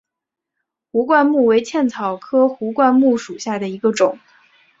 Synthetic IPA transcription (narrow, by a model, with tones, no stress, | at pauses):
xu˧˥kwa˥˧nmu˥˩we˧˥ɪt͡ɕʰjɛ˥˩nt͡sʰɑ˨˩ʊkʰɤ˥xu˧˥kwa˥˧nmu˥˩ʂu˨˩ɕja˥˩d̪ə˩i˧˥ɡə˧ʈ͡ʂʊ˨˩˦ŋ